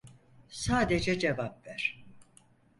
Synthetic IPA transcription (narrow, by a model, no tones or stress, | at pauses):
saːd̪e̞d͡ʒɛd͡ʒevap̚væɾ̥